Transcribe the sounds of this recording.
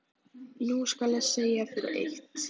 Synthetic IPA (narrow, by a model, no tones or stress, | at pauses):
nuskalaðseːjafɪɾʏ̰ɾʔḛht̪